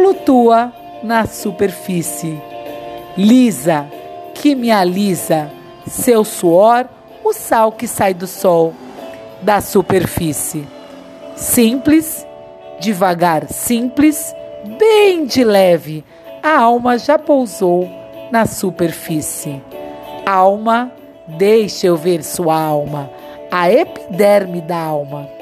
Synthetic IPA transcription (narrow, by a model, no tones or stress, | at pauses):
flut̪uɐ | nɐsupeɾfisɪ | lizɐkʰɪmializɐ | sewsuɔɾ | ʊsawkɪsajd̪ʊsɔw | d̪ɐsupeɾfisɪ | sĩplɪz | d͡ʒivaɡaɾsĩplɪzbẽj̃d͡ʒɪlɛvɪ | ɐawmɐʒapowzownɐsupeɾfisɪ | awmɐ | d̪ejʃewveɾsuɐawmɐ | ɐepi̥d̪ɛɾmɪd̪ɐawmɐ